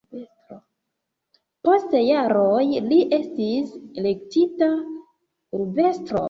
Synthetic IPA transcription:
po̞stejaɾojliʔe̞stisele̞k̚tita | uɾbe̞stɾo̞̰

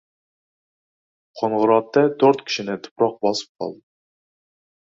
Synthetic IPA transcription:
qʰonʁəɾɑt̪ːɛt̪ʰøɾt̪kʲʰi̥ʃinɛt̪ʰʊ̥pɾɑq̚bɑsɨ̥p̚qʰɑ̰lˠd̪ɨ

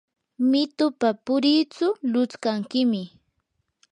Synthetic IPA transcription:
mɪt̪ʊpapʊɾit͡sʊlʊt͡skaŋkɪmɪ

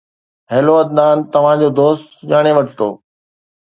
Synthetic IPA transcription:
ɦɛːloɐd̪naːnt̪ɐʋ̤ãd͡ʑoːd̪oːst̪d͡ʑaːɽ̃eʋɐʈʰt̪o̰ː

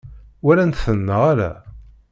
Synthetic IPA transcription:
wæɾænt̪θənːəʁaɾæ̰

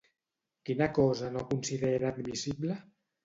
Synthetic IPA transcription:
kinakɔzanokunsiðeɾad̪misiblə

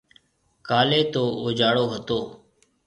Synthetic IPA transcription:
kaːleːt̪oːoːd͡ʒaːɽoːɦət̪oː

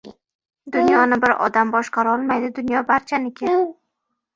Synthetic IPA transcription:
d̪ʊnjɒnɪbɪɾʔɒ̰d̪ambɒʃqɑɾɒlˠmajd̪ɪd̪ʊnjɒbaɾt͡ʃʰanɪkʲʰe

